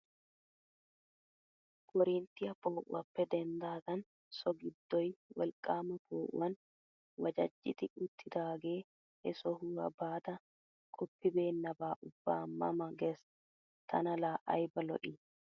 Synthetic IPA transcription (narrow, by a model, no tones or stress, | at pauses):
kʼɔɾint̪ɪjɐpoːʔʊ̰ɐpːɛd̪ɛnd̪aːt̪ɐn | sɔɡɪd̪ːɔjwɐ̰lkʼːaːmɐpoːʔɐn | wɐd͡ʒɐ̰d͡ʒːɪt̪ɪʊt̪ʰːɪd̪aːɡeː | ɛsɔhuːɐbːaːt̪ɐ | kʼɔpːɪbe̞ːnːɐbaːʔʊb̥ːa̰ːmːɐmɐɡɛs | t̪ʰɐnɐlaːʔɐ̰jbɐlɔ̰ʔɪ